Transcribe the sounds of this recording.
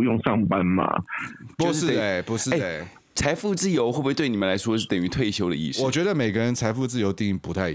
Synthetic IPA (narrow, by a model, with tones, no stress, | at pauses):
jo˥˧ŋʂɑ˥˨˩ŋpa˦nma̰˨˩pou˧˥ʂɻ̩˥˩e˨˩ɪpu˧˥ʂɻ̩˥e˥˩e˩ɪ | t͡sʰa˧˥ɪfu˥˧t͡sɹ̩˥˩jo˧˥ʊxwbwe˥˧˩t̪we˥˩ɪni˨˩mə˦la˧˥ɪswɔ˥ʂɻ̩˥˩t̪ə˨˩ŋy˧˥t̪ʰwe˥˩ɪɕjo˥ʊd̪ə̰˨˧ḭ˥˧˩ʂwɔ˨˩t͡ɕɥɛ˧˥d̪ə˧me˨˩ɪɡə˦ɻə˧˥nt͡sʰa˧˥ɪfu˥˧t͡sɹ̩˥˩jo˧˥ʊt̪i˥˧ŋi˥˩ŋpu˧˥t̪ʰa˥˩ɪ